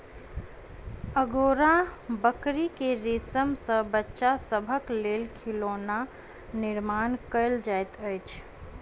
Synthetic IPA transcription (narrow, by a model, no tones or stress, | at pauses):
əɡoːɾabəkɾikeɾeːsəmsəbətːʃasəbʱəkleːlkʰiloːna | nɪɾmaːnkəɪld͡ʒajt̪əɪt͡ʃʰ